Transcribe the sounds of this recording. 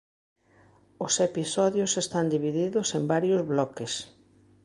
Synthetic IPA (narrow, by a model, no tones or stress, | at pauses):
ʊsepisɔðjʊsest̪and̪iβiðiðʊsembaɾjʊzβlɔkes